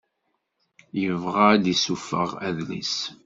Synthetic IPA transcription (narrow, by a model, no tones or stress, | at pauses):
jəvʁad̪isufə̰ʁæðlḭs